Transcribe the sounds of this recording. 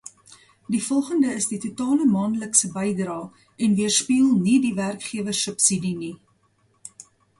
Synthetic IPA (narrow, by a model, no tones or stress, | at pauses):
difɔlˠχəndəəsditutɑːləmɑːndələksəbɛjdrɑː | ɛnviərspiːlˠnidiværkχiəvərsœpsidini